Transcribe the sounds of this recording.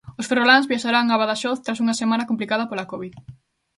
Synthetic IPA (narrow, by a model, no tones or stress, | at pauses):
osferolanzβiaʃaɾaŋaβaðaʃɔθt̪ɾas̬uŋɐsemãnɐkomplikaðɐpolakoβið